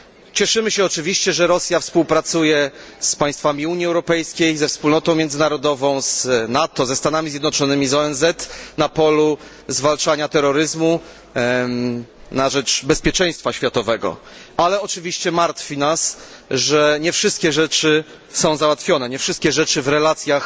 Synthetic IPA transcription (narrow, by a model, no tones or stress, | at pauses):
t͡ɕɛʂɘmɘɕɛɔt͡ʂɘvʲiɕt͡ɕɛʐɛɾɔsʲjafspuwpɾat̪sujɛspaj̃st̪famʲiuɲiɛwɾɔpɛjskʲejzɛfspulnɔt̪ɔ̃w̃mʲjɛnd̪zɘnaɾɔd̪ɔvɔ̃w̃z̥nat̪ɔzɛst̪anamʲizʲjɛd̪nɔt͡ʂɔnɘmʲizɔɛnzɛt̪napɔlu | zvalt͡ʂaɲat̪ɛɾɔɾɘzmu | naʐɛt͡ʂbɛspʲjɛt͡ʂɛ̃j̃st̪faɕfʲjat̪ɔvɛɡɔ̰ | alɛɔt͡ʂɘvʲiɕt͡ɕɛmaɾt̪fʲinas | ʐɛɲɛfʂɘst̪̚kʲɛʐɛt͡ʂɘ | sɔ̃w̃zawat̪fʲjɔnɛɲɛfʂɘst̪kʲɛʐɛt͡ʂɘvɾɛlat̪sʲjax